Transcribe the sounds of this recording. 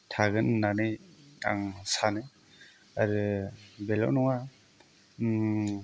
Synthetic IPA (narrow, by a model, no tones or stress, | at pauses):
tʰaɡɯnːanɯja̰ŋsanɯ | aɾɯbelɔ̰wnɔŋa